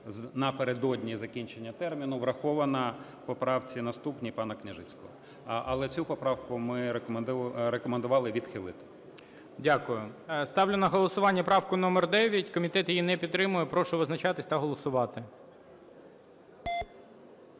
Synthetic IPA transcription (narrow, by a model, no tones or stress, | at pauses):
nɐpeɾed̪ɔdʲnʲizɐkʲinʲt͡ʃenʲːɐt̪ɛrmʲinʊʋɾɐxɔʋɐnɐ | pɔpɾɑwt͡sʲinɐst̪upnʲipɑnɐknʲɪʒɪt͡sʲkɔɦɔ | ʔɐ̰lˠɛt͡sʲupɔpɾɑwkʊmɪ | ɾekɔmend̪ʊʋɑlˠɪʋʲid̪xɪlˠɪt̪ɪ̥ | dʲakʊjʊst̪ɑwlʲʊnɐɦɔlˠɔsʊʋɑnʲːɐpɾɑwkʊnɔmɛrd̪ɛʋʲjɐtʲkɔmʲit̪ɛt̪jijinɛpʲid̪t̪ːɾɪmʊjɛpɾɔʃʊʋɪznɐt͡ʃɑt̪ɪsʲt̪ɐɦɔlˠɔsʊʋɑt̪ɪ